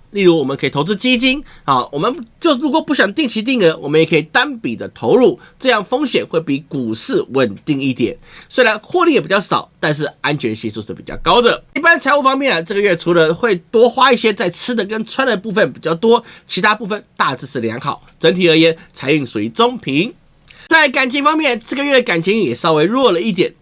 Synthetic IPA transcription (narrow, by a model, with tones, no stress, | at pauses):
li˥˩ɻu˧˥wɔ˨˩mə˦kʰi˨˩t̪ʰo˧˥ʊt͡sɹ̩˥˧t͡ɕi˥t͡ɕi˥nɔ˥˩wɔ˨˩mə˦nt͡ɕjo˥˧ʊʂ̩˥˩ɻu˧˥kwɔ˨˩pu˥˩ɕjɑ˨˩ŋt̪i˥˩ŋt͡ɕʰi˧˥t̪̬i˥˩ŋd̪ə˧˦wɔ˨mə˦njɛ˨˩kʰə˧˥i˨˩t̪a˥npi˨˩d̪ə˦t̪ʰo˧˥ʊɻu˥˩ʈ͡ʂɤ˥˧jɑ˥˩ŋfɤ˥ŋɕjɛ˨˩nxwe˥˩ɪpi˧˥ku˨˩ʂɻ̩˥˩wə˨˩nt̪i˥˧ŋi˥˩t̪jɛ̰˨˩˦nswe˥ɪɻa˧˦nxwɔ˥˧li˥˩jɛ˨˩pi˨˩t͡ɕjɑ˥˩ʂɑ̰˨˩ʊt̪a˥˧nʂ̬ɻ̩˥˩a˦nt͡ɕʰɥɛ˧˥nɕi˧s̬u˥˧ʂɻ̩˥˩pi˨˩t͡ɕjɑ̰˥˩ʊkɑ˥ʊd̪ə˨i˥˩pa˥nt͡sʰa˧˥ɪu˥˩fɑ˥ŋmjɛ˥˩nə˩ʈ͡ʂɤ˥˩ɡə˧ɥɛ˥˩ʈ͡ʂʰu˧˥lə˧xwe˥˩ɪt̪wɔ˥xwa˥i˥˩ɕjɛ˥t͡sa˥˩ɪt͡sʰɹɻ̩˥d̪ə˨kə˥nt͡sʰwa˥nd̪ə˨pu˥˧fə˥˩npi˨˩t͡ɕjɑ˥˩ʊt̪wɔ˥t͡ɕʰi˧˥a˥pu˥˧fə˥˨nt̪a˥˧t͡sɹ̩˥˧ʂ̩˥˩ljɑ̰˧˥ŋxɑ˨˩ʊʈ͡ʂə˧˥nt̪ʰi˨˩ə˞˧˥jɛ˧˥nt͡sʰa˧˥ɪy˥˩ŋswu˧˥i˧˩t͡so˥ŋpʰi˧˥ŋ | t͡sa˥˩ɪka˨˩nt͡ɕʰi˧˥ŋfɑ˥ŋmjɛ˥˩nʈ͡ʂɤ˥˩ɡə˩ɥɛ˥˩d̪ə˩ka˨˩nt͡ɕʰi˧˥ŋ˥ŋjɛ˨˩sɑ˥ʊwe˧˥ɪɻwɔ˥˩lə˨i˥˩t̪jɛ̰˨˩˦n